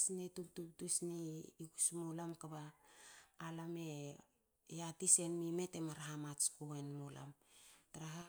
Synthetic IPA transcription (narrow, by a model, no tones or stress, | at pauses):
snetuk̚tuk̚tusniikusmolamkabaː | lame̞ | jatise̞nmime̞te̞maɾaɦamat͡ʃkoenmola̰mtaɾaɦa